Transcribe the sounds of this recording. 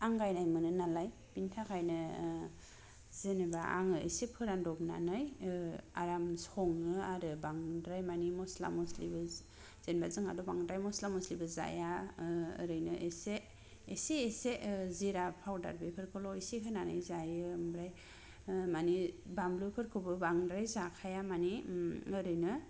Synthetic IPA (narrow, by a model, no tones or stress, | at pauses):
aŋɡajnajmɯnɯnalaj | bintʰakʰajnɯ | zenebaʔa̰ŋɯesepʰɯɾandɔbna̰nɯja̰ɾamsɔŋɯaɾɯbaŋdɾajmanimɔsla̰mɔslibɯ | z̥enbazɯŋa̰dɔbaŋdɾajmɔslamɔslibɯza̰ja̰ː | ɾɯjnɯʔeseː | seːseziɾapʰawda̰ɾbepʰɯɾkʰɯlɔisikʰɯnanɯjzajɯmbɾaj | manibamblupʰɯɾkʰɯbɯbaŋdɾajzakʰajamaniɯɾɯjnɯ